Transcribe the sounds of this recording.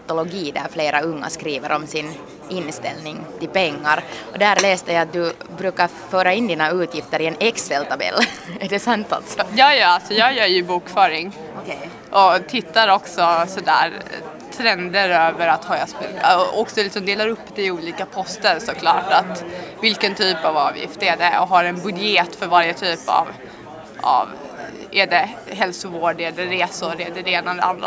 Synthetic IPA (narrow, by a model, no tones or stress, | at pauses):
t̪ʊlɔɡiːd̪æ̰ɾfleːɾʔaɵŋːa̰skɾiːvəɾʔɔmsɪn | ɪnːst̪ɛlnɪŋt̪ɪlpɛŋːaɾɔd̪æːɾlɛːst̪əjajat̪̚d̪ɵbɾʉːkaɾ | føːɾaɪnd̪iːnaʉːt̪ʰjɪft̪əɾɪɛnɛksɛlt̪ʰɑbɛ̰lːæɖɛsant̪a̰lt̪sɔjɑːjɑalsɔjɑːɡjœːɾjɵbuːkfœːɾɪŋ | ʔɔt̪ʰɪt̪ːaɾɔksɔsɔd̪æ̰ːɾ | t̪ʰɾɛnd̪əɾøːvəɾat̪hɑːjaspɔksɔlɪksɔmd̪eːlaɾɵpːd̪ɛɪuːliːkapʰɔst̪əɾsɔkʰlɑːʈat̪vɪlkənt̪ʰyːpavɑːvjɪ̰ft̪æɖɛɔɦaɾɛnbɵd̪jeːt̪fœɾvaɾjət̪ʰyːpa̰v | a̰v | ʔɛɖɛ | ɦɛlsʊvoːɖæɖɛɾeːsʊɾɛdɛd̪ɛeːnad̪ɛ̰a̰nd̪ɾa̰